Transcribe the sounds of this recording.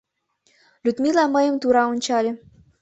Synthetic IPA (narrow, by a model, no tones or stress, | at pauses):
lʲyt̪milɑmə̆jə̆mt̪uɾɑunʲt͡ɕɑlʲĕ